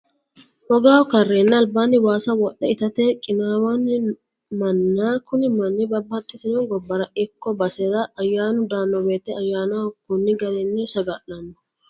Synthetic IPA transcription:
hɔɡaːwkɐrːeːnːɐːlbaːnːɪwaːsɐwɔɗːɛɪt̪ɐt̪ɛkʼɪnaːwɐn | mɐnːaːkʊnɪmɐnːɪbɐbːɐt̪ʼːɪsɪnɔɡɔbːɐɾɐʔɪkːɔbɐsɛdɐʔːjːaːnʊd̪aːnːɔbe̞ːt̪ːɛɐjːaːnakːʊnːɪɡɐlɛnːɛsɐɡalːɐnːɔ

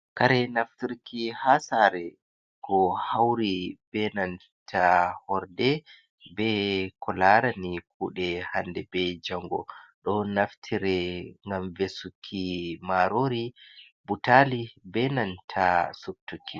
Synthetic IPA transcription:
kaɾɛnaftiɾkʰihasaɾɛ | kʰɔhawɾib̥ɛnan | tʰahɔɾdɛ | bɛkɔlaɾanik̚ʰuːɗɛhandɛbɛd͡ʒaŋɡɔ̰ɗɔnaftʰiɾɛŋɡamvesukʰːimaɾoɾi | butalibɛnantʰasub̚tukʰːi

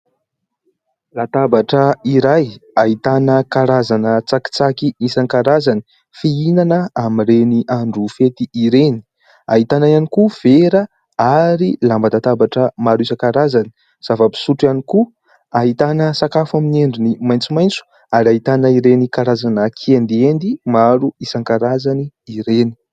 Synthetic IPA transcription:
lat̪abaʈ͡ʂəiɾajaɦit̪anəkaɾazanət͡saki̥t͡sakiisankaɾazani̥ | fiinanəamireniʔaɳɖ͡ʐufet̪iiɾeni̥ | aɦit̪anajanikuv̥eɾə | aɾilambat̪at̪abaʈ͡ʂəmaɾuisəkaɾazani̥ | z̥avapi̥suʈ͡ʂaniku | aɦit̪anəsakafamineɳɖ͡ʐunimajnt͡simajnt͡su̥ | aɾaɦit̪anəiɾenikaɾazanəkʰiend̪iend̪imaɾuisaŋkaɾazaniːɾeni̥

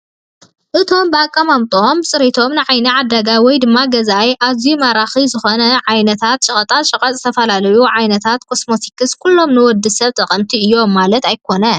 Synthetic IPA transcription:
ʔɨt̪ʰo̞mbɨakʼːɐmamt̪ʼo̞msʼɨɾit̪ʰo̞mnɨʕajnɐʕad̪ːɐɡawɔjd̪ɨmːaɡɐzajʔazjumaɾaxizɨxo̞nɐʕajnɐt̪ʰat̪t͡ʃʼɨχʼɐt̪ʼaʃʼɨkʼɐt͡sʼzɨt̪ʰɐfɐlalɐjuʕajnɐt̪ʰat̪kʰo̞smo̞t̪ʰikʰɨskʰulːo̞mnɨwɔd̪ːɨsɐβt̪ʼɐqʼɐmt̪ʰiɨjːo̞mːalɐt̪ajkʰo̞nɐ

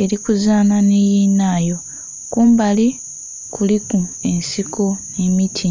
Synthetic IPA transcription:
e̞ɾikuzaːnanejiːnaːjo̞ | kuːmbali | kulikue̞nsikʰonemitʰi

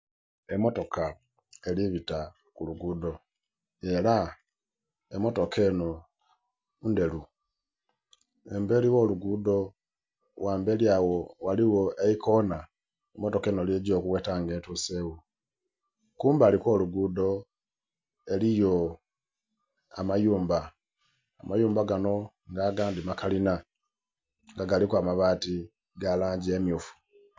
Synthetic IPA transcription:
emotoka | eliβita | kuluɡuːdo̞ | ela | emo̞tokʰe̞ːno | unde̞lu | embe̞liwoluɡudo | waːmbeliawowaliwoʔeikona | imoto̞kenoljeɟo̞ːkuɣweːtaŋɡeːntusewu | kuːmbaːlikwo̞ːluɡudo̞ | elijo | a̰majuːmbaː | majuːmbaɡano̞ | ŋɡaɡaːndimakalina | ŋɡaɡalikwaːmaβaːti | ɡalaːɲɟiemiufu̥

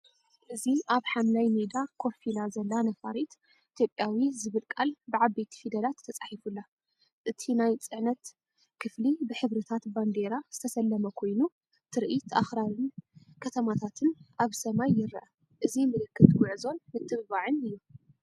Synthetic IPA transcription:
ʔɨziʔaβħamlajmed̪akʰo̞filazɐlːanɐfaɾit̪ | ʔit̪ʰjopʼjawizɨβɨlkʼalbɨʕaβbet̪ʰi̥fid̪ɐlat̪ʰːɐt͡sʼaħifulːa | ʔɨt̪ʰinajt͡sʼɨʕnɐt̪ | kʰɨflibɨħɨβɾɐt̪ʰat̪band̪e̞ɾaz̥ɨt̪ʰɐsɐlːɐmɐkʰo̞jnu | t̪ʰɨɾʔit̪ʰʔa̰xɾaɾɨn | kʰɐt̪ʰɐmat̪ʰat̪ʰɨnʔaβsɐmajːɪɾɐ̰ʔɐ | ʔɨzimɨlɨkːɨt̪wʊʕɨzo̞nmɨt̪ʼːɨββaʕɨnɨjːu

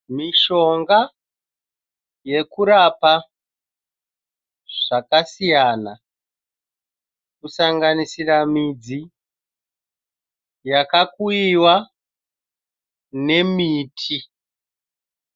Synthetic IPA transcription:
miʃo̞ŋɡa | je̞kuɾapa | ʐ̥akasijaːna | kusaŋɡanisiramid͡zi | jakakuiwa | ne̞miːtʰi

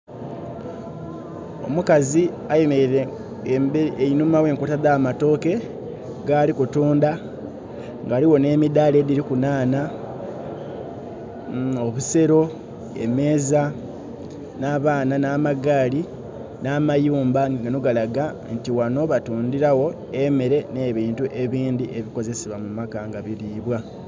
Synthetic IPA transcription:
o̞̰mukazi | ajemeɾe | mbeeinumawe̞ːŋkutaðaːmato̞ːke̞ | ɡaːlikutuːnda | ŋɡaːliwo̞ne̞ːmidaːle̞ːdiɾikunaːna | o̞βuse̞ɾo̞ | e̞̰me̞ːza | naːβaːnanaːmaɡaːli | naːmajuːmbaŋɡanoɡalaɡa | ntiwano̞βatuːndiɾawo̞ | emeɾe̞ne̞ːβiːntuʔe̞βiːndiʔe̞βiko̞ze̞seβwamumakaŋɡaβiliːβwa

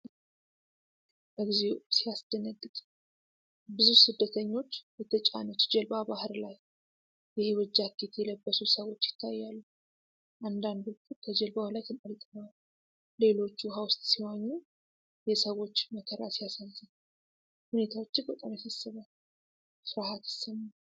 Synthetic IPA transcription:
bəɡize̞wsijasd̪̥ənəɡːɨd̪ | bɨzusɨd̪ːət̪ʰəɲːo̞t͡ʃːbət̪ʰət͡ʃʼa̰nət̪d͡ʒɛlbabahɨɾlaj | jɪhewɔd͡ʒːakʰːet̪ʰjɛləbːəsusəwo̞t͡ʃːjɪ̥t̪ʰːajːalːu | ʔand̪and̪ukʰːukʰəd͡ʒɛlbahulajt̪ʰɨnʔalt̪ʼnəw | le̞lo̞t͡ʃːuɦawʊst̪ʼsiwaɲːɛ | jɛsəwo̞t͡ʃːməkʰəɾa̰sijasazɨn | hune̞t̪ʰawo̞t͡ʃːɪbʼət̪ʼamasasːɨβal | sɨɾhat̪ʰɨ̥səmːa

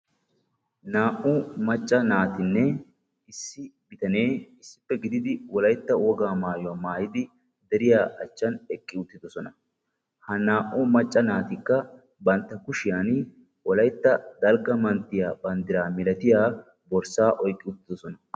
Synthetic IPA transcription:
naːʔʊmɐt͡ʃʼːɐnaːt̪ɪnːɛ | ɪsːɪbɪt̪ɐneːɪsːɪ̥pːɛɡɪd̪ɪd̪ɪwɔlɐjt̪ːɐwɔɡaːmaːjɔwaːmaːjɪd̪ɪ | d̪ɛɾɪjaːʔɐt͡ʃːɐnɛkʼːɪʊt̪ːɪd̪ɔsɔnɐ | hɐnaːʔʊmɐt͡ʃʼːɐnaːt̪ɪkːɐ | bɐnt̪ːɐkʊʃɪjan | wɔlɐjt̪ːɐd̪ɐlɡɐmɐnt̪ːɪjaːbɐnd̪ɪɾaːmɪlɐt̪ɪjaː | bɔɾsaːʔɔjkʼːɪʊt̪ːɪd̪ɔsɔnɐ

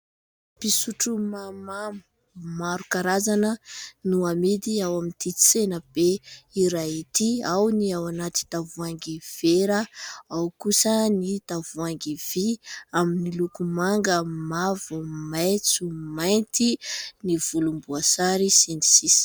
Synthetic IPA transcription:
pisuʈ͡ʂumamamu̥ | maɾukaɾazanənuamid̪iawamint̪it͡senəb̥eiɾait̪iawniawanat̪i̥t̪avuaŋɡiv̥eɾəawkusənit̪avuaŋɡiviaminilukumaŋɡəmavumajt͡sumajnt̪iniv̥ulumbuasaɾisini̥sis

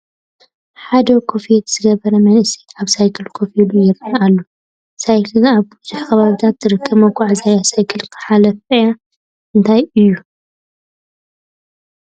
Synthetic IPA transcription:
ħad̪ɐkʰofit̪z̥ɨɡɐβɐɾɐmɐnʔɨsit̪ʕaβsajkʰɨlkʰofilujɪɾaʔalːo | sajkʰɨlaβbɨzʊħxɐβaβit̪ʰat̪zɨɾɨkʰːɐβmɐɡʷaʕzajasajkʰɨlkʰɨ̥ħalɐfɐja | ʔɨnt̪ʰajɨjːu

